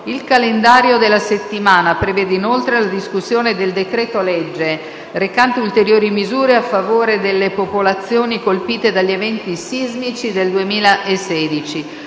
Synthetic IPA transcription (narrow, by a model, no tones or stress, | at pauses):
ilkalend̪aːɾjod̪elːaset̪ːimaːnapɾevɛːd̪einolt̪ɾelad̪iskusːjoːned̪eld̪ekɾɛːt̪olɛd͡ʒːe | rekant̪eult̪eɾjoːɾimizuːɾeafːavoːɾed̪elːepopolat̪sːjoːnikolpiːt̪ed̪aʎːevɛnt̪isizmit͡ʃid̪eld̪uemiːlaʔesɛːd̪it͡ʃi